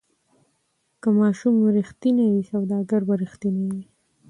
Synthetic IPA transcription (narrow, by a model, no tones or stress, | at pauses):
kamɑʃumɾixt̪inawisawd̪ɑɡaɾbaɾɪxt̪inawi